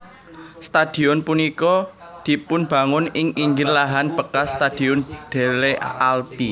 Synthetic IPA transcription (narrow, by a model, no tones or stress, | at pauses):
st̪ad̪̥i̤ʊnpunikɔ | d̪̥i̤pʊnb̥ä̤ŋʊnɪŋiŋɡɪrlaɦanb̥əkast̪ad̪̥iʊnɖ̪̥e̤lealpi